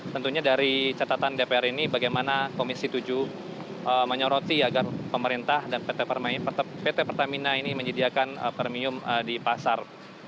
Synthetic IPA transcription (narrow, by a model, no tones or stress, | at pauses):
t̪ənt̪uɲadaɾit͡ʃat̪at̪andepeɛɾinibaɡajmanakomisit̪ud͡ʒu | ʔəməɲɔɾot̪iaɡarpəməɾint̪ahdanpet̪epərmaɪnpət̪pet̪epərt̪aminainiməɲədiakanə̰pərmiʊmədipasar